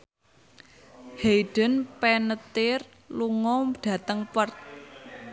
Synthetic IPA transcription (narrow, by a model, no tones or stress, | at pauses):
hejɖ̥ənpɛnət̪ɪr | luŋɔɖ̥ä̤t̪əŋpərt̪̚